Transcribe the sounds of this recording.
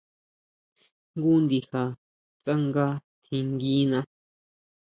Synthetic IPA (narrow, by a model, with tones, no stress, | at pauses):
ŋɡu˦nd̪i˧ha˨ | t͡sa˦ŋɡa˦t̪ʰĩ˧ŋɡi˦nã˧